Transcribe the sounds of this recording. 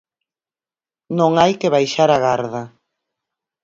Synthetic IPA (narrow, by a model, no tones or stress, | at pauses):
nõŋajkeβajʃaɾaɣaɾðɐ